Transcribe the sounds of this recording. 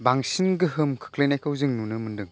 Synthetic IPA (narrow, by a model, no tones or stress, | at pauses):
baŋsinɡɯɦɯmkʰɯ̥kʰlɯjnajkʰawzɯŋnunɯmɯndɯŋ